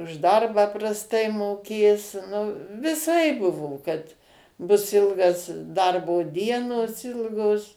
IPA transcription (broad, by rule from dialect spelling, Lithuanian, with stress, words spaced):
ʊʃ ˈdɐrbɑː prɐsˈtɐɪ moːˈkʲeːs nʊ ʋʲɪˈsɐɪp ˈbʊʋoː kɐt ˈbʊs ˈɪlˠɡɐs ˈdɐrboː ˈdʲiɛnoːs ˈɪlˠɡoːs